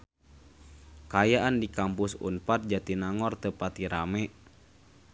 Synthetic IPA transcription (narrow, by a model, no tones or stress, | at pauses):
kajaʔandikampusṵnpat̪̚d͡ʒat̪inaŋɔrt̪əpat̪iɾamɛ